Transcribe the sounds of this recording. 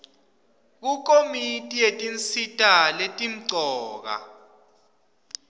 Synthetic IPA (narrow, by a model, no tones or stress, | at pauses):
k̬uk̬ʼomitʼijetʼint͡sitʼaletʼim̩ǀʱɔːk̬a̰